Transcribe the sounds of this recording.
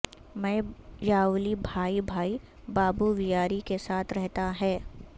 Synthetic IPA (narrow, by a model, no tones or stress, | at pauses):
mɛ̃ːjaːuːlibʱaːibʱaːi | baːbuʋɪjaːɾikesaːt̪ʰɾɛɦt̪aɦɛː